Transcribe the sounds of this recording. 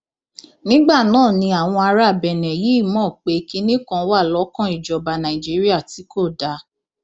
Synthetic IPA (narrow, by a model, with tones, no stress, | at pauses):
nĩ˦ɡ͡ba˦˨nãː˦˨nĩ˧a˨w̃ɔ̃˧a˧ɾa˦˨bɛ˨nɛ̃˨ji˨˦i˦˨mɔ̃ː˦˨k͡pe˧˦ki˦nĩ˦kã˧˦wa˦˨lɔ˨˦kã˦i˨d͡ʒɔ˨ba˨nã˨i˨d͡ʒi˨˦ɾi˦a˦˨ti˨˦ko˦˨da˨˦